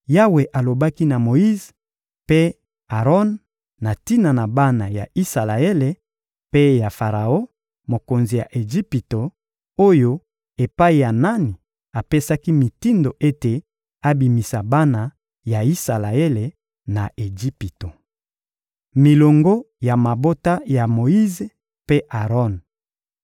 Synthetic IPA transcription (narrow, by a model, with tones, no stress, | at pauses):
ja˦we˨ʔa˨lo˨ba˦ki˦na˨mo˨i˦z | pe˦ | a˨ʁɔ˦nː | a˨ti˦na˨na˨ba˦na˨ja̰˨i˦sa˨la˨e˦le˨ | pe˦ja˨fa˨ʁa˨o˦ | mo˨ko˨nzi˨ja̰˨ʔe˨ʒi˦pi˨to˨ | o˦jo˦ | e˨pa˦i˨ja˨na˦ni˨ | a˨pe˦sa˦ki˦mi˨ti˦ndo˨ʔe˦te˨ | a˦bi˨mi˨sa˨ba˦na˨ | ja˨i˦sa˨la˨e˦le˨ | na˨ʔe˨d͡ʒi˦pi˨to˨ | mi˨lo˨ŋɡo˦ | ja˨ma˨bo˦ta˦ja˨mo˨i˦ze˨ | pe˦ʔa˨ʁɔ˦n